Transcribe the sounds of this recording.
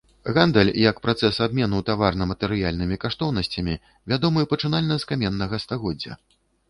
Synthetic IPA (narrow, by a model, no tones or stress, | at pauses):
ɣand̪ɛlʲjɐkpɾat̪sɛsab̚mʲɛnut̪avarnɐmɐt̪ɛɾɨjalʲnɨmʲikaʂt̪ɔwnɐsʲt͡sʲɐmʲi | vʲad̪ɔmɨpɐt͡ʂɨnalʲnɐskamʲɛnːɐɣɐst̪aɣɔd͡zʲːɐ̰